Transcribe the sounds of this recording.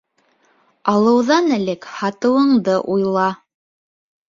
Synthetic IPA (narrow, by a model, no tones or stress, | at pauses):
ɑlˠɤ̆wðɑnɘ̆lɘkhɑt̪ɤ̆wɤ̆ɴd̪ɤʔujlˠɑ